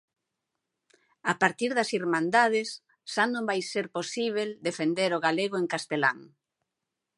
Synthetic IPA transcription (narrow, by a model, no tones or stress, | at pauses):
apaɾt̪iɾðɐsiɾmãnd̪að̞ɪsː | anõmbajseɾposiβ̞eld̪efend̪eɾoɣaleɣ̞oeŋkast̪ela̰ŋ